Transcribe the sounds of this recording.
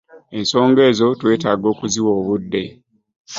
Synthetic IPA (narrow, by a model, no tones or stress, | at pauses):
e̞nso̞ːŋɡe̞ːzo̞twe̞ːtaːɡo̞ːkuziwo̞ːβudːe̞